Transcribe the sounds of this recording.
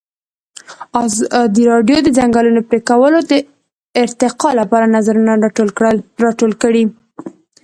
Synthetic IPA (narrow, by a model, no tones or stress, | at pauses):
ɑzd̪iɾɑɖjod̪əd͡zaŋɡɑlunopɾekawəlod̪ə | ɪɾt̪ɪqɑlapɑɾanazaɾuna | ɾɑʈolkəɽi